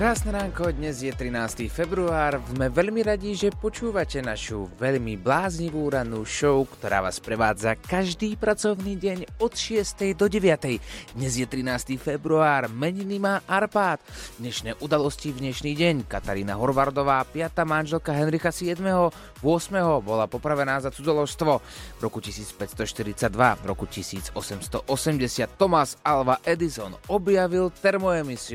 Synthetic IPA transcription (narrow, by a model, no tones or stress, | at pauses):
kɾaːsnɛɾaːŋkɔd̪ɲɛzjɛt̪ɾinaːst̪iːfɛbɾuaːɾzmɛʋɛʎmiɾaɟiʒɛpɔt͡ʃuːʋacɛnaʃṵʋɛʎmiblaːzɲiʋuːɾanuːʃɔʊkt̪ɔɾa̰ːʋa̰ːspɾɛʋa̰ːd͡zakaʒd̪iːpɾat͡sɔʊniːɟɛɲɔt̪ʃɪɛst̪ɛjd̪ɔɟɛʋɪat̪ɛjd̪ɲɛzjɛt̪ɾinaːst̪iːfɛbɾuaːɾmɛɲinimaːʔaɾpaːd̪d̪ɲɛʃnɛːʔud̪alɔscivd̪ɲɛʃniːɟɛɲkat̪aɾiːnaɦɔɾʋaɾd̪ɔʋaːpɪat̪aːmanʒɛlkaɦɛnɾixasɪɛd̪mɛɦɔ | ʋʊɔsmɛɦɔbɔlapɔpɾaʋɛnaːzat͡sud͡zɔlɔʃst̪ʋɔ | vɾɔkucisiːt͡spɛt̪st̪ɔʃt̪iɾit͡sad̪ʋavɾɔ̰kucisḭːd͡zɔsɛmst̪ɔʔɔsɛmɟɛsɪat̪ːɔmazalʋaʔɛd̪izɔnɔbjaʋilt̪ɛɾmɔɛmisiu